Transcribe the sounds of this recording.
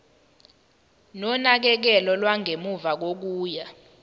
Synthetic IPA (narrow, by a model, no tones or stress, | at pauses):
nɔnak̬ɛk̬ɛlɔlwaŋʱemuvak̬ok̬uːja